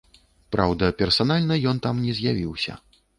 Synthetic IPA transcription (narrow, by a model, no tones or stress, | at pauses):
pɾawd̪ɐpʲɛrsanalʲnɐjɔnt̪amnʲɛzʲjavʲiwsʲɐ̰